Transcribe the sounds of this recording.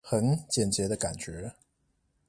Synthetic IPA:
xə˧˥nt͡ɕjɛ˨˩nt͡ɕjɛ˧˥d̪ə˧ka˨˩nt͡ɕɥɛ˧˥

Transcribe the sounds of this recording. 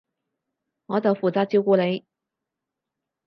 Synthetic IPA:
ŋɔː˨˧t͡sɐ˨wfuː˨t͡saː˨˧t̚t͡si˧wkuː˧le˨˧j

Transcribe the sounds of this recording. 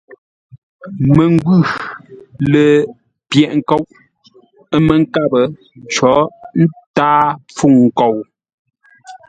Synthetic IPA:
mə˨ŋ˦ɡʉ˦˨ | lə˨ | pjɛ˨ʔŋ̩˦˨ko˦˨wʔ | ə˦mə˨ŋ̩˦ka˦bə˨ | t͡ʃɔ˨˦n̩˦taː˦p͡fu˦˨ŋ̩ː˨ko˨w

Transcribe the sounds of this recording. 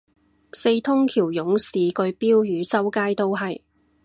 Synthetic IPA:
se˧jt̪ʰʊ˥ŋkʰiː˨˩wjʊ˨˥ŋsiː˨˧kɵ˧ɥpiː˥wjyː˨˧t͡sɐ˥wkaː˥jt̪o˥wɦɐ˨j

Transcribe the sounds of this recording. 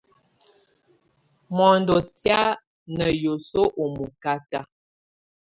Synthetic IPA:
mɔ˨ndo˨tja˦ | nə˨jo˨so˦ʔo˨mu˨ka˦ta˦

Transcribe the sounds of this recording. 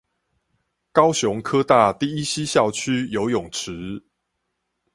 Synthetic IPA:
kɑ˥˦ʊɕjʊ˨˦ŋkʰɤ˦˥t̪a˥˨t̪i˥˨i˦ɕi˦ɕjɑ˥˨ʊt͡ɕʰy˦jo˧˦ʊjʊ˨˩ŋʈ͡ʂ̩ʰ˨˦

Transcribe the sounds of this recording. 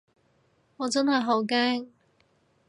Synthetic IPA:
ŋɔː˨˧t͡sɐ˥nhɐ˨jɦo˨˥wkɛː˥ŋ

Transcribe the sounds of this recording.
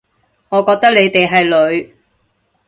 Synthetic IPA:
ŋɔː˨˧kɔː˧k̚t̪ɐ˥k̚le˨˧jt̪e˨jɦɐ˨jlɵ˨˧ɥ

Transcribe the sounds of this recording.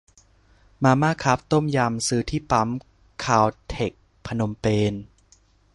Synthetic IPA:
maː˧maː˥˩kʰa˦˥p̚t̪o˥˩mja˧msɯː˦˥t̪ʰiː˥˩pa˦˥m | kʰaː˧˩wt̪ʰe˨˩k̚ | pʰa˧no˧mpeː˧n

